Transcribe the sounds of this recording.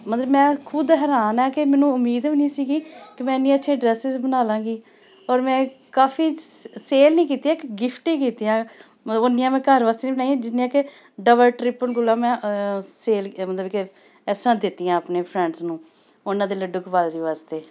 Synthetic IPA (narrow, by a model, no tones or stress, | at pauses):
mət̪ləbmɛ̃ːkʰʊd̪ɦɛːɾaːnɛːkɪmɛ̃ːnũːʊmːiːd̪nĩːsiːɡiːkɪmɛ̃ːnĩːətːʃʰẽːɖɾɛːsɪzbənaːlãːɡiː | ɔːɾmɛ̃ːkaːfʰiːseːlnĩːkiːt̪iãːkɡɪpʰʈẽːkiːt̪iːãː | məonːɪjãːmɛ̃ːkəɾʋaːst̪eːnĩːbənaːiãːd͡ʒɪĩːãːkɪ | ɖəbəlʈɾɪpənɡʊlãːmɛ̃ːseːlmət̪ləbkɪ | ɛːsãːd̪ɪt̪ːijãːəpneːpʰɾɛ̃ːɳɖsnũː | ʊnãːd̪eːləɖʊkbaːld͡ʒiːʋaːst̪eː